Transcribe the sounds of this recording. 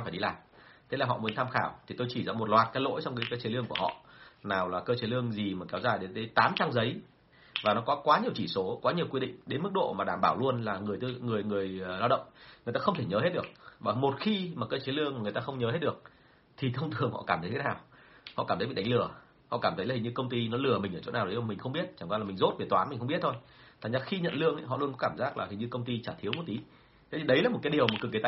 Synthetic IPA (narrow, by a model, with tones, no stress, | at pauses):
faː˧˩jɗi˧laː˨˩jt̪ʰe˨˦laː˨˩ɦɔ̰˧˨mu˨˦ənt̪ʰaː˧mxaː˧˩wt̪ʰi˨˩t̪o˧jt͡ɕi˧˩za̰ː˧˩mo˨˩t̚lwaː˨˩t̚kaː˨˦jlo̰˧˥jt͡ɕɔ˧wŋ͡mkaː˨˦jkaː˨˦jt͡ɕe˨˦lɨ˧əŋku˧˩əhɔ̰˧˨naː˨˩wlaː˨˩kəː˧t͡ɕe˨˦lɨ˧əŋzi˨˩maː˨˩kɛ˨˦wzaː˨˩jɗe˨˦nt̪əː˨˦jt̪aː˨˦mt͡ɕa˧ŋzə˨˦j | vaː˨˩nɔ˨˦kɔ˨˦kwaː˨˦ɲi˨˩əwt͡ɕi˧˩so˨˦kwaː˨˦ɲi˨˩əkwi˧ɗḭ˧˨ŋ̟ɗe˨˦nmɨ˦˥k̚ɗo̰˧˨maː˨˩ɗaː˧˩mɓaː˧˩wlu˧ənlaː˨˩ŋɨ˨˩əjt̪ŋɨ˨˩əjŋɨ˨˩əjlaː˧wɗə̰˧˨wŋ͡mŋɨ˨˩əjt̪aː˧xə˧ŋ͡mt̪ʰe˧˩ɲəː˨˦he˦˥t̚ɗɨ˨˩ək̚vaː˨˩mo˨˩t̚xi˧maː˨˩kəː˧t͡ɕe˨˦lɨ˧əŋma˨˩ŋɨ˨˩jt̪aː˧xə˧wŋ͡mɲəː˨˦ɦe˦˥t̚ɗək̚ | t̪ʰi˨˩t̪ʰə˧wŋ͡mt̪ʰɨ˨˩əŋhɔ̰˧˨kaː˧˩mt̪ʰjt̪ʰnaː˨˩w | hɔ̰˧ʔaː˧˩t̪ʰɓi˨˩ɗa˨˦ŋlɨ˧˩ə | hɔ̰˧˨kaː˧˩mt̪ə˨˦jaː˨˩ɲɨ˧kə˧wŋ͡mt̪i˧nɔ˨˦lɨ˧˩əmï˨˩ʔəː˧˩t͡ɕo̰˧˥naː˨˩wɗə˨˦ja˨˩mï˨˩ŋ̟xə˧wŋ͡mɓi˦˥ət̚t͡ɕaː˧˩ŋkwa˧laː˨˩mi˨˩ŋ̟zo˦˥t̚vi˨˩t̪waː˨˦m̟˨˩xə˧ŋ͡mɓi˦˥ət̪̚ʰo˧jt̪ʰaː˨˩ŋzaː˧˩xi˧ɲə̰˧˨nlɨ˧əŋʔa̰˧˦jɦɔ̰˧˨lu˧ənkkaː˧˩mzaː˦˥k̚laː˨˩hi˨˩ɲɨ˧kə˧wŋ͡mt̪i˧t͡ɕaː˧˩t̪ʰi˨˦wmu˧˩t̪i˨˦ | t̪ʰe˧˦t̪i˨˩ɗə˨˦jlaː˨˩mo˨˩kaː˨˦jɗəwmo˨˩kkːt̪